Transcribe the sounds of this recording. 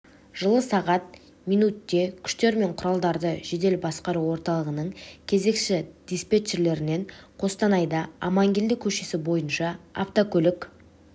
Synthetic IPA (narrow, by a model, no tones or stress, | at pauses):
ʒ̥əlˠəsɑʁɑt̪̚ | mijnut̪ːe̞kʲʰʏ̥ʃt̪e̞ɾme̞ɴqʰʊɾɑlˠd̪ɑɾd̪əʒe̞d̪e̞lbɑsqɑɾuwo̞ɾt̪ɑlˠəʁənəɴkʲʰe̞ze̞kʃɪd̪̥ispet͡ʃeɾle̞ɾɪne̞ɴqʰo̞st̪ɑnɑjd̪ɑ̰ːmɑŋɡʲild̪ɪkʲʰɵʃe̞sɪbo̞jənʃɑa̰ft̪okʲʰɵlɪkʲ